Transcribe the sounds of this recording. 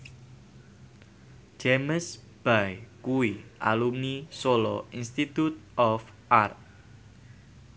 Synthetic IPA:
d͡ʒ̥eməsb̥ajkuiʔa̰lumnisolɔ̰inst̪it̪ut̪̚ɔf | ʔart̪̚

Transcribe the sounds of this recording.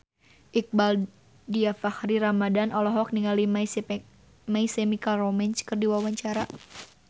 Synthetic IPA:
ʔik̚bal | diafahɾiɾamadanɔlɔɦɔk̚niŋalima | maisɛmikalrɔmɛnt͡ʃkɨrdiwawaɲt͡ʃaɾa

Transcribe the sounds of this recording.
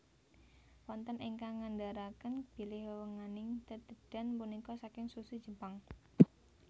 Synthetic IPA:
wɔnt̪ənʔɪŋkaŋandaɾakənb̥i̤lɪhwəwəŋanɪŋt̪əd̪̥əd̥a̤npunikɔsakɪŋsusud̥ʒ̥ə̤paŋ

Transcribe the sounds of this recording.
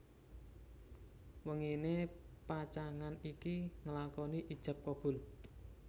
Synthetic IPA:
wəŋinepat͡ʃaŋanikiŋəlakɔniʔid̥ʒ̥a̤p̚kɔb̥ʊ̤l

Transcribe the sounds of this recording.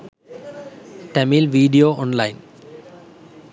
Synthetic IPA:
ʈɛmilʋiːɖijoːɔ̃ːnlaɪn

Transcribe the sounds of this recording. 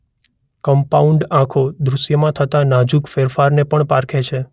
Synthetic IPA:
kəmpauɳɖãkʰod̪ɾuʃjəmãt̪ʰət̪anad͡ʒukfeɾfaɾnepəɳpaɾkʰet͡ʃʰe

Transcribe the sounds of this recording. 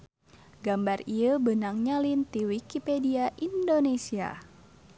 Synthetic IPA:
ɡambariəbənaŋɲalint̪iwikipediaʔindonesia̰

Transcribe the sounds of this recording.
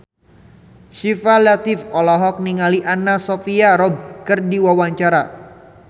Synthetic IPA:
ʃifalat̪ɪfɔlɔɦɔk̚niŋaliʔanasofiaɾɔb̚kɨrdiwawaɲt͡ʃaɾa

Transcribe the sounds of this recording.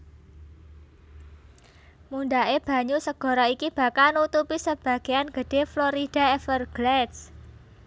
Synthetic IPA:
munɖaeb̥ä̤ɲusəɡ̥ɔ̤ɾɔikib̥a̤kalnut̪upisəb̥ä̤ɡ̥e̤anɡ̥ə̤ɖ̥e̤floɾid̥a̤ɛfərɡ̥lɛds

